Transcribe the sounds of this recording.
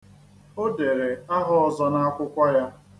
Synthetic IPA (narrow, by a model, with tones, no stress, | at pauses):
o˦de˨ɾe˨a˦ɦɔ˦ɔ˦zɔ˦na˦a˦kʷʊ˦kʷa˦ja˦